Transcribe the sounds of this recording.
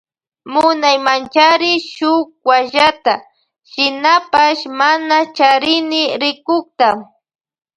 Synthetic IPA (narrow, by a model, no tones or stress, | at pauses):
mʊnajmant͡ʃaɾɪʃʊk̚waʒat̪a | ʃɪnapaʃmanat͡ʃaɾɪnɪɾɪkʊk̚t̪a